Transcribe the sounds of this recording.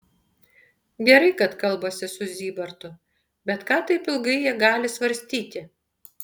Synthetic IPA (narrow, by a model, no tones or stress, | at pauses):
ɡʲɛɾɐɪkɐt̪kɐlˠboːsʲɪsʊzʲiːbɐɾt̪ʊ | bʲɛt̪kɑːt̪ɐɪpɪlˠɡɐɪjiɛɡɑːlʲɪsʋɐɾʲsʲt̪ʲiːt̪ʲɪ